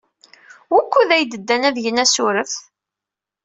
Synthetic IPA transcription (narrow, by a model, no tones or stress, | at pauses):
wækʷːuðæjd̪əd̪ːænæðʝənæsʊɾəθ